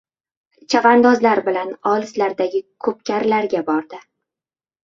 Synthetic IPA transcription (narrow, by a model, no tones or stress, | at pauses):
t͡ʃʰavand̪ɒzlaɾbɪlanɒlˠɪslaɾd̪aɡʲɪkʰɵp̚kʲaɾlaɾɡʲabɒɾd̪ɪ